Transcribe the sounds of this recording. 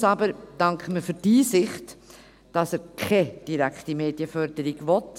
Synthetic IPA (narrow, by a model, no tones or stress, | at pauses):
sɑbəɾd̥ɑŋkχəməfyɾd̥iːsɪχt | d̥ɑsəɾkʰɛd̥iɾækχtimeːdjəfœɾdəɾiɡvɔt